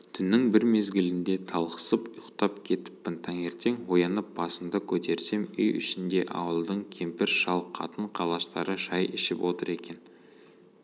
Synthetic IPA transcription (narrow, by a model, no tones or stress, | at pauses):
t̪ʰʏnːɪŋbɪɾme̞zɡʲɪlɪnd̪e̞t̪ʰɑlˠqə̥səpʊjʊqt̪ɑpkʲʰe̞t̪ɪ̥pːb̥ənt̪ʰɑŋe̞ɾt̪e̞ŋwo̞jɑnəp̚b̥ɑsəmd̪əkʲʰɵt̪e̞ɾse̞mʏjʏ̰ʃɪnd̪e̞ʔɑ̰wəlˠd̪əɴkʲʰe̞mpɪɾʃɑlˠqʰːɑ̰t̪əɴqʰɑlˠɑʃt̪ɑɾəʒɑjʔɪʃɪpwʔo̞t̪əɾe̞kʲe̞n